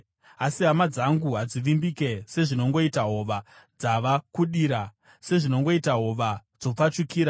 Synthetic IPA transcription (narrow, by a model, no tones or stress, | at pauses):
asiɦamad͡zaŋɡuɦad͡ziʋimbike̞se̞ʐino̞ŋɡo̞itaɦo̞ʋa | d͡zaʋakuɗiːɾa | se̞ʐino̞ŋɡo̞itaɦo̞ʋad͡zo̞p͡fat͡ʃikiːɾa